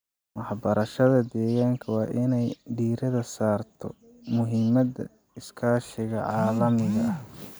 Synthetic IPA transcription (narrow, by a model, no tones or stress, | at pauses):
mɑħbɐɾɐʃɐðɐd̪ɛːɣaːŋkʰɐwɑːʔɪnɛjɖiːɾɐðɐsaːrt̪ʰɔ | mʊɦɪmɐd̪ɐ̰ | ɪskʰaːʃɪɣɐʕɑːlɐmɪɣɐɐ